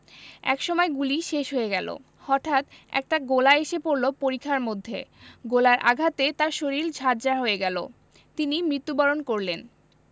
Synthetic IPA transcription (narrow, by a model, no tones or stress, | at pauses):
ɛ̰kʃɔmɔeɡuliʃeʃɦoeɡɛlo̰ | hɔʈʰat̪ɛ̰k̚ʈaɡolaeʃepoɾlopoɾikʰːaɾmod̪ʱːḛɡolaɾʔa̰ɡʱat̪et̪aɾʃoɾild͡ʑʱaɾd͡ʑaɾɦoeɡɛlo̰ | t̪inimɾit̪ːubɔɾonkoɾlen